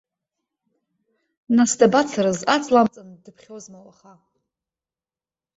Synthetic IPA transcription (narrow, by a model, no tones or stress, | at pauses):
nasdabat͡sʰaɾɨzat͡sʰʼlamt͡sʼandɨpʰχʲozmawaχa